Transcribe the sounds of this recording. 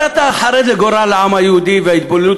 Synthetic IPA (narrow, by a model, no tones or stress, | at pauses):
at̪aħaɾeleɡoɾaleʕamajehud̪iveait̪̚bolu